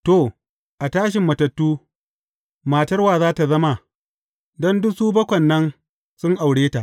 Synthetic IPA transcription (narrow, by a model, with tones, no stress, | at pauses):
to˨ | ʔa˨taː˦ʃ̬ɪ˨mːɐ˨tɐ˨tːuː˦ | maː˨tɐ˦rwaː˨zaː˦ta˨zɐ˦ma˨ | dɔ˦ndʊ˦suː˦bɐ˦kʷɐ˨nːɐ˦n | sʊ˦ŋʔa˨wɽeː˦ta˨ʔ